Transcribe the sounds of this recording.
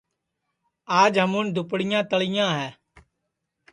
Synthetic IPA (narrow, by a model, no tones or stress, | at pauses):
aːd͡ʒɦəmʊːnd̪ʊpɽɪjãːt̪əɭɪjãːɦɛː